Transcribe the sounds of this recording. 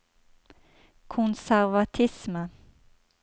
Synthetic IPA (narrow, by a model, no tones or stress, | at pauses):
kʰʊnsæʁʋɑt̪ʰɪsmə